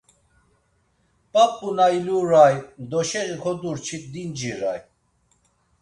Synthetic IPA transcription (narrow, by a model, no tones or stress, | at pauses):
pʼapʼːunajluɾajd̪ɔʃɛʁikʰɔd̪uɾt͡ʃʰit̪̚d̪ind͡ʒiɾaj